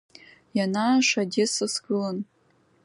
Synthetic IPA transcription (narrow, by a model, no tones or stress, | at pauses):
janaʂadʲesɨsɡɨlan